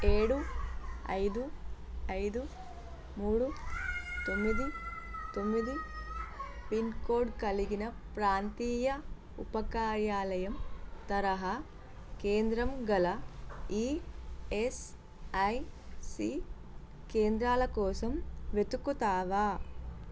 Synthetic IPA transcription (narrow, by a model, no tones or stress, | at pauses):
eːɽuɐ̰jd̪uɐjd̪u | muːɽut̪o̞mːid̪it̪o̞mːid̪i | pinkoːɖkɐliɡinɐ | pɾaːnt̪iːjɐ | upɐkaːɾjaːlɐjɐmt̪ɐɾɐɦɐ | keːnd̪ɾɐmɡɐlɐiːes | ɐjsi | keːnd̪ɾaːlɐkɔːsɐmʋe̞t̪ukːut̪aːʋaː